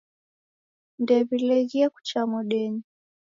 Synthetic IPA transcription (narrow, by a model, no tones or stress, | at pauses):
ndɛβilɛɣiaku̥t͡ʃamuɗɛɲi